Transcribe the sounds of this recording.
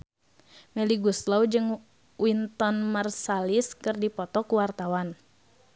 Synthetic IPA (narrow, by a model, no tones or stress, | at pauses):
mɛliɡuslaud͡ʒɨŋ | wint̪ɔnmarsaliskɨrdipɔt̪ɔkuwart̪awan